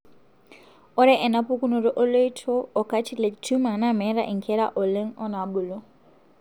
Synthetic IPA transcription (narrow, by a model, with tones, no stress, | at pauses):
ɔ˦ɾɛ˦ʔɛ˨na˦pu˦kʼu˦nu˨ɾɔ˨ʔɔ˦lo˦i˦tʰɔː˦˨kʰʼa˦t͡ʃʰi˦le˨itʰu˦ma˨na˦mɛ˦ɾa̰˦ʔi˨ŋkʰɛ˦ɾa̰˦ʔo˨le˦ŋ̩ɔ˦na˨bu˨lɔ˦